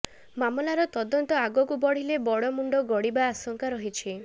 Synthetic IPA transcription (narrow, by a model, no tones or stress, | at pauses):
mamɔlaɾɔt̪ɔd̪ɔnt̪ɔaɡɔkubɔɽ̤ilebɔɽɔmuɳɖɔɡɔɽibaasɔŋkaɾɔɦit͡ʃʰi